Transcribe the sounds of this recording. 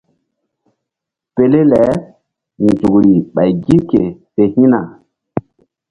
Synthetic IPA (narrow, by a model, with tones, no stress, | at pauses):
pe˨le˦lɛ˨˦ | nzu˨kɾi˨ɓa˨jɡi˦ke˨se˨hĩ˦na˨